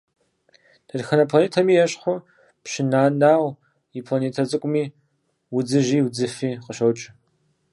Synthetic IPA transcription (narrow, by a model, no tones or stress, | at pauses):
d̥ʰɐrxɐnɐpʰlɐneːtʰɐmiːjɛɕχʷʊ | pɕɪnaːnaːʁʷ | ipʰlaneːtʰɐt͡sʼɨkʷʼʊmiː | wʊd͡zɨʒiːwd͡zɨfiːqəʃɐwt͡ʃʼɪ